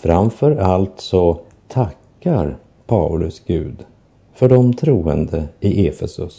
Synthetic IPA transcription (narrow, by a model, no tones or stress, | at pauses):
fɾamfœɾalt̪sɔ | t̪ʰakːaɾ | pʰalɵsɡ̥ʉ̟ːd̪ | fœɖɔmt̪ʰɾuːə̰nd̪əɪʔeːfɛsɵs